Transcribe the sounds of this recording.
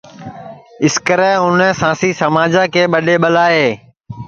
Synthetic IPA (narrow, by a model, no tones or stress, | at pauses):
ɪskəɾɛ̃ːɦʊnɛ̃sãːsiːsəmaːd͡ʒaːkeːɓəɗeːɓəlaːeː